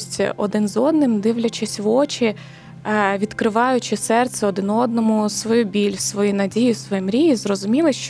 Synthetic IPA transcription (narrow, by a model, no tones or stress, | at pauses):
sʲtʲḭʔɔd̪ɪnzɔd̪nɪmd̪ɪʋlʲɐt͡ʃɪsʲʋɔt͡ʃɪ | ʋʲid̪kɾɪʋɑjʊt͡ʃɪsɛrt̪sɛɔd̪ɪnɔd̪̚nɔmʊsʋɔjubʲilʲsʋɔjinɐdʲijisʋɔjimɾʲijizrɔzʊmʲilˠɪʃt͡ʃ